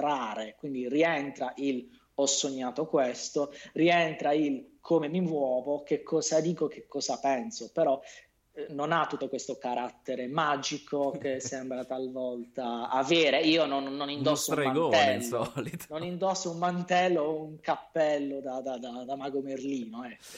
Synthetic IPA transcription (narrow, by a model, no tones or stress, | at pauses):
ɾaːɾekwind̪iriɛnt̪ɾaʔil | ɔsːoɲːaːt̪okwest̪oriɛnt̪ɾailkʰomemimwɔːvok̟ekʰːɔːzad̪iːkok̟ekːɔːzapɛnsopeɾɔ | nonat̪ːut̪ːokwest̪okaɾat̪ːeɾemaːd͡ʒikʰok̟esːɛmbɾat̪alvɔlt̪aa̰veːɾeiːononːonind̪ɔsːoumanɛlːɔlit̪nonind̪ɔsːoummant̪ɛlːouŋkapːɛlːod̪ad̪ad̪ad̪amaɡomerliːnoɛ